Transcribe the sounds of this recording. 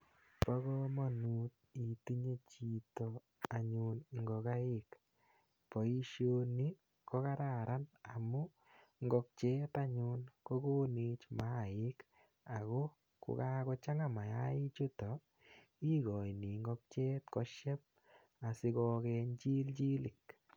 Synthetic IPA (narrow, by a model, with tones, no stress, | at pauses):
pɔ˦ɣɔma˦nu˦t̪̚ | i˨ti˦ɲe˦t͡ʃi˧tɔ | a˨ɲu˧nŋɡɔ˨ka˦ɪ˦k | pɔ˨i˦ʃjo˧ni˦ | kɔ˦ka˦ɾa˨ɾʔa˦na˨mu˦ | ŋɡɔ˧k̚t͡ʃɛ˦t̪a˦ɲʊnko˦ɡo˦ni˧t͡ʃma˦ɪk | a˨ɣɔ˦ | kʊ̰˨ka˦kɔ˧t͡ʃa˦ŋa˦ma˨ja˦ɪ˦t͡ʃʊ˦tɔ˨ | i˦ɡɔ˨jni˨ŋɡɔ˦k̚t͡ʃɛ˦t̪kɔ˦ʃjɛ˦p̚ | a˨sɪ˦kɔ˧kɛ˧ɲt͡ʃi˦lt͡ʃi˦lɪ˨k